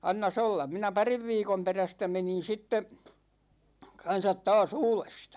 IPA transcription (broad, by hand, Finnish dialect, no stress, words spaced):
ɑnːɑs olːɑm̆ minæ pɑriʋ ʋiːkom peræstæ menin̞ sitːe kɑn̞sɑt tɑːs uːlestɑ̥